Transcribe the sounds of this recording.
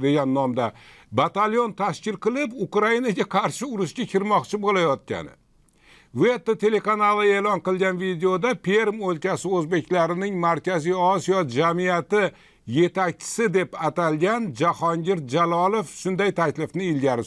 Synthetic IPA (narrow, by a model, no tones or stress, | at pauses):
d̪e̞ɡʲanːɒmd̪abat̪aljo̞nt̪ʰaʃkʲɪlqɨlˠɪpʊkɾainaɡʲaqʰɑɾʃɪʊɾɪʃɡʲakʲʰɪɾmɒqt͡ʃʰɪbolajɒt̪̚kʲa̰nɪ̰ | ve̞t̪ːet̪ʰe̞le̞kanalˠɨe̞lɒnqɨlˠɡʲanvid̪eod̪apʰeɾmolkʲasɪɵzbe̞kʲlaɾɪnɪŋmaɾkʲʰazijɒsijɒd͡ʒamijat̪ɪ | je̞t̪ak̚ʲt͡ʃʰɪ̥sɪd̪e̞pat̪alˠɡʲand͡ʒahɒŋɡʲɪɾ̚d͡ʒalˠɒlˠo̞fʃʊnd̪ajt̪ʰakʲlɪfnɪːlɡʲaɾɪ